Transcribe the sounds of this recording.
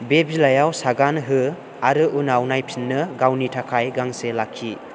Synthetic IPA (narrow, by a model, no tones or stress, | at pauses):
bebilajawsaɡanɦɯ | aɾɯʔunawnajpʰinːɯɡawnitʰakʰajɡaŋselakʰːi